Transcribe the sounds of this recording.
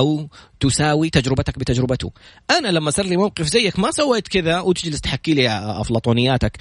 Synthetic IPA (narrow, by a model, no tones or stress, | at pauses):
awt̪ʊsaːwit̪ad͡ʒɾɪbat̪ak̚bɪt̪ad͡ʒɾɪbat̪ṵʔanalamːasɑɾˤlimawqɪfzajːakmasawːeːt̪kɪðawɪt̪ɪd͡ʒlɪst̪ħakːiːlḭflɑːt̪ˤuːnɪjːaːt̪ak